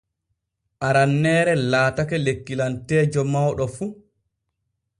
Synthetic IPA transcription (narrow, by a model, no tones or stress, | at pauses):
ʔaɾanːɛːɾɛlaːtakɛlekːilantɛːd͡ʒɔmawɗɔfu